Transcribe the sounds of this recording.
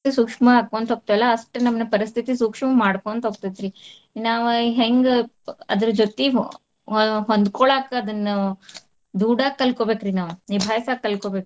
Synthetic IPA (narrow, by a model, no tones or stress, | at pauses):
isuːkʂmɐaːkuːɐnt̪ɦoːb̚t̪ɐʋɛlːɐːsʈenɐmːɐnɐpɐɾist̪ʰit̪isuːkʂɐmɐmaːɽkoːnt̪oːb̚t̪id̪ɾi | naːʋuɦeŋɡ | ɐd̪ɐɾɐd͡ʒot̪e | ɦond̪kɔɭaːkɐɐd̪ɐnːɐ | d̪uːɽaːɡ̚kɐlkoːbeːkɾinaːʋunibʱaːjɐsaːɡ̚kɐlkoːbeːk